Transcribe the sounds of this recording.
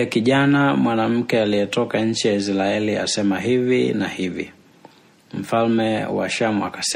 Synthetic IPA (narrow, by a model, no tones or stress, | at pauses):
kiʄanamwanam̩kɛaliɛtɔkaɲ̩t͡ʃijais̬laɛlia̰sɛmaɦivinahivḭ | m̩falmɛwa̰ʃamwakas